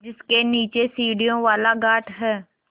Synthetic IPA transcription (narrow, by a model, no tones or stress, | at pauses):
d͡ʒɪskeniːt͡ʃesiːɽijõʋaːlaɡaːʈɦɛː